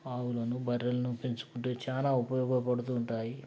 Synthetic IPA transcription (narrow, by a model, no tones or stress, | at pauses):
aːwulɐnubɐɾɐlɐnupint͡ʃu̥kuɳʈeːt͡ʃaːnaːupɐjɔːɡɐpɐɽut̪̬uːɳʈaːji